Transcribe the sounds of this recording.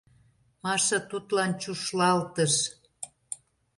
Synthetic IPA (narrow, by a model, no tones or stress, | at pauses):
mɑʃɤt̪ut̪lɑnt͡ɕuʃlɑlt̪əʃ